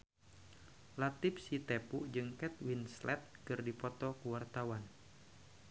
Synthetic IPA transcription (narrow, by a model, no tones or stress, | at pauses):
lat̪ɪp̚sit̪epuʔd͡ʒɨŋkɛt̪̚winslɛ̰t̪̚kɨrdipɔt̪ɔkuwart̪awan